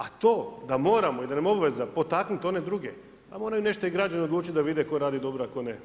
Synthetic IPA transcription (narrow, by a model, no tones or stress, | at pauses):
at̪o̞ːd̪amo̞ːɾamo̞id̪anemobaʋe̞zapo̞t̪aknit̪o̞ne̞d̪ɾuɡe | amo̞ːɾajune̞ʃt̪oiɡɾad͡ʑaneo̞d̪luːt͡ɕit̪ʲd̪aʋid̪eko̞ɾaːd̪id̪o̞bɾoakone